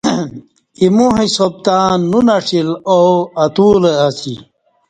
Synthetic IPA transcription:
imuɦisob̚t̪ãːnːunɐʂiloɐt̪uːleasḭ

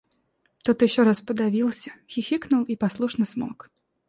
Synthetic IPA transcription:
t̪ɔt̪jɪɕːɔɾaspəd̪avʲilˠsʲəxʲixʲiknʊlˠipaslˠuʂnəsmɔ̰k

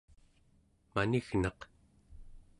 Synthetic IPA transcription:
maniɣnɑq

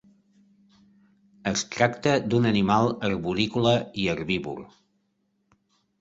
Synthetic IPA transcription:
əst̪ɾakt̪əd̪unənimalˠəɾβuɾikuləiəɾβiβṵr

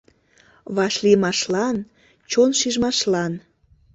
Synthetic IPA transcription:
βɑʃlimɑʃlɑn | t͡ɕonʃiʒmɑʃlɑn

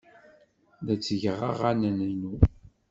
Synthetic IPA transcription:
ðæt͡sːəʝəʁə̰ʁanænənu

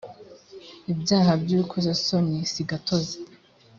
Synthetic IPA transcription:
ibɟaːɦabjuːkʰozasonisiɡatʰoze

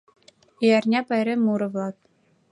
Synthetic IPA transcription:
ijærʲnʲepɑjɾʲemːuɾɤ̆ʋlˠɑt̪

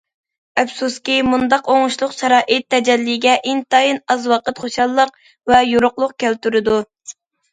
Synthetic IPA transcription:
ɛfsuskʲimund̪ɑqoŋʊʃlˠʊqʃɑɾɑːʔɨt̪ʰːɛd͡ʒɛlːiɡʲɛʔint̪ɑjinɑzwɑqət̪χoʃɑlˠːəq̚ | vɛjoɾʊqlˠʊq̚kʲælt̪yɾɪd̪u

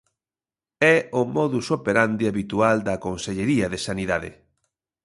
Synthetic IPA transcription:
ɛʊmɔðusopeɾand̪iaβit̪uald̪ɐkonseʎeɾiɐðesaniðaðḛ

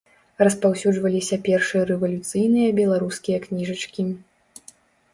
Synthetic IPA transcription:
rɐspawsʲuʐvɐlʲisʲɐpʲɛrʂɨjɐɾɛvɐlʲut̪sɨjnɨjɐbʲɛlˠaɾuskʲijɐknʲiʐɐt͡ʂkʲi

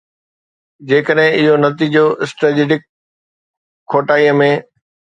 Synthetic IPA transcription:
d͡ʑeːkəɗɦɪ̃ɪɦonɐt̪id͡ʑoʔɪsʈɾeːd͡ʑeːɖɪk | oːʈaːijəmẽː

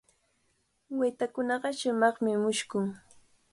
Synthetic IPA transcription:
wejt̪akʊnɑɢɑʃʊmɑχmɪmʊʃkʊŋ

